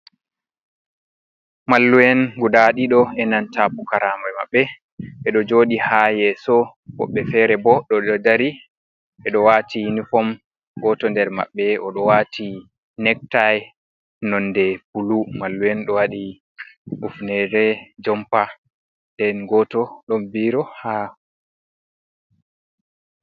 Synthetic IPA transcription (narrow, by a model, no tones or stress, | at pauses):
malːujɛnɡudaɗiɗɔɛnantapukaɾamama̰ɓːɛ | ɓɛɗɔd͡ʒoːɗihajɛsɔbɔ̰ɓːɛfɛɾɛbɔɗɔɗɔdaɾi | ɓɛɗɔwatʰinifɔm | ɡɔtɔndɛɾma̰ɓːɛɔɗɔwatʰi | nɛk̚taj | nɔndɛbulumalːuwɛnɗɔwaɗi | ʔufnɛɾɛd͡ʒɔmpa | ndɛnɡɔtɔɗɔmviɾɔha